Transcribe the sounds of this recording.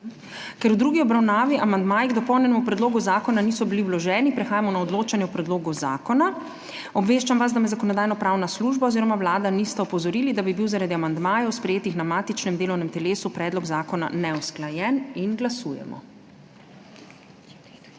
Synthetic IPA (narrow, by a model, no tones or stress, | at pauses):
kɛɾwd̪ɾuːɡiɔbɾawnaːʋiʔamand̪maːjiɡd̪ɔpɔwnjɛnɛmupɾɛd̪loːɡuzaːkɔnaniːsɔbiliwlɔʒɛːnipɾɛxaːjamɔnaɔd̪loːt͡ʃanjɛwpɾɛd̪loːɡɔza̰ːkɔna | ɔbʋeːʃt͡ʃamʋaz̬d̪amɛzakɔnɔd̪aːjnɔpɾawnasluʒbaɔziːɾɔmawlaːd̪anist̪ɛɔpɔzɔɾiːlid̪abibiwzaɾad̪iamand̪maːjɛwspɾɛjeːt̪ixnamaːt̪it͡ʃnɛmd̪eːlɔwnɛmt̪ɛleːsupɾɛːd̪lɔɡzaːkɔna̰nɛɔsklajɛninɡlasuːjɛ̰mɔ̰